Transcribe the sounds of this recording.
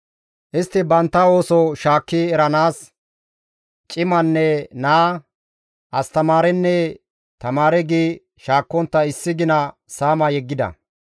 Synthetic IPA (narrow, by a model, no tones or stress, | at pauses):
ʔɪst̪ːɪbɐnt̪ːɐo̞ːsɔʃaːkːiɛɾɐnaːs | t͡ʃʼɪmɐnːɛnaː | ʔɐst̪ɐmaːɾɛnːɛ | t̪ɐmaːɾɛɡiː | ʃaːkːɔnt̪ːɐɪsːɪɡɪnɐ | saːmɐjɛɡːɪd̪ɐ̰